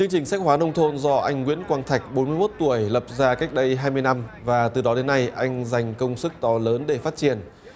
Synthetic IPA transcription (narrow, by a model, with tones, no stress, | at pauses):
t͡ɕɨ˧əŋt͡ɕï˨˩ŋ̟sɛ˦˥k̚hwaː˨˦nə˧wŋ͡mt̪ʰo˧nzɔ˧ʔa˧jŋ̟ŋwḭ˧˥ənkwaː˧nt̪ʰa˨˩jk̟̚ɓo˨˦nmɨ˧əjmo˦˥t̚t̪u˧˩əjlə˨˩p̚zaː˧ka˦˥jk̚ɗə˧jɦaː˧jmɨ˧əjna˧mvaː˨˩t̪ɨ˨˩ɗɔ˨˦ɗe˨˦nːa˧jʔa˧jŋ̟za˨˩jŋ̟kə˧wŋ͡msɨ˦˥k̚t̪ɔ˨˦ləː˨˦nɗe˧˩faː˦˥t̚t͡ɕi˧˩ən